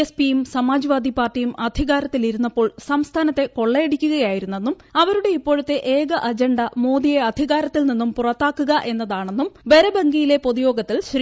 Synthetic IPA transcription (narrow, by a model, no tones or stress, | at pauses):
espijumsɐmaːd͡ʑɐʋaːd̪ʱipaːrʈːijumʔɐd̪ʱiɣaːɾɐt̪ːiliɾunːɐpːo̞ːɭsɐmst̪ʰaːnɐt̪ːe̞ko̞ɭːɐeɽikʲːuɣɐjaːjiɾunːe̞nːum | ɐʋɐɾuɽe̞ipːo̞ːɻut̪ːe̞ʔeːɡɐʔɐd͡ʑɐɳɖɐmo̞ːðijeɐd̪ʱiɣaːɾɐt̪ːilninːumpurɐt̪ːaːkːuɣɐʔe̞nːɐðaːɳe̞nːumʋeɾɐbɐŋɡijile̞po̞ðujo̞ːɡɐt̪ːilɕɾ